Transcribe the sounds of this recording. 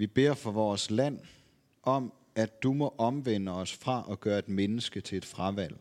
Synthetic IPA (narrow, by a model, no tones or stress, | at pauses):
ʋib̥e̝̰ɐ̰fɒ̽ʋɒːslæn̰ | ʔɒ̽m | æd̥umɒ̽ʔɒ̽mʋen̰əɒ̽sfʁɑ̈ʔɒɡ̥ɶːɐe̝d̥menəsɡ̥ət͡sʰe̝e̝d̥fʁɑʋæl̰